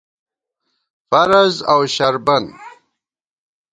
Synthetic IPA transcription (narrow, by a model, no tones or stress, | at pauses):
faɾazawɕaɾban